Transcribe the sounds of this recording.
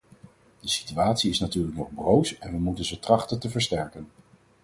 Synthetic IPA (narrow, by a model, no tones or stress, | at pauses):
dəsi̥tyaːtsiɪsnatyːɹləknɔχbrowsɛnʋəmutənzətrɑχtəntəvəɹstɛɹkən